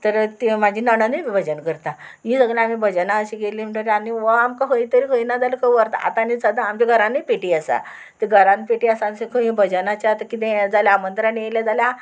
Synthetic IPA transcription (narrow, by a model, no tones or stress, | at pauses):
t̪əɾt̪imad͡ʑʱiːnəɽ̃əniʋibʱəd͡ʑənkəɾt̪a | miːsəɡɭjaam̤ibʱəd͡ʑənaəɕikeliːm̤iʈaɾeaniʋəamkaɦəjt̪əɾiɦəjnad͡zalkəʋəɾt̪a̰a̰t̪anit͡sad̪ãːmt͡ɕeɡʱəɾãnipeʈiːəsa̰ | t̪iɡʱəɾãnpeʈiːəsãnsekʰəɦĩbʱəd͡ʑənat͡ɕaat̪akit̪ẽd͡zaljaːmənt̪ɾanieljad͡zalja